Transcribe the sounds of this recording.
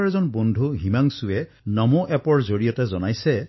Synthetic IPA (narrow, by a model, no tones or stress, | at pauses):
ɹɛzɔnbondʱuɦimaŋsue | nɔmoʔɛpɔɹzoɹijɔtɛzɔnajsɛ